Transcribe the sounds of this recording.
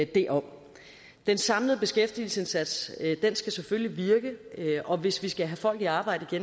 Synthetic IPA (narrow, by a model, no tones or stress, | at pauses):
d̥e̝̰ʔɒ | d̥ensɑ̈mləð̞̩ˠb̥e̝sɡ̥efd̥ḭːl̩se̝nsæd̥sd̥ensɡ̥æsefølliʋiɐɡ̥əɒ̽ʋe̝sʋisɡ̥æɦæfɒ̽l̰ɡ̥iɑ̈ːb̥ɑ̈ɪ̰d̥əiɡ̥en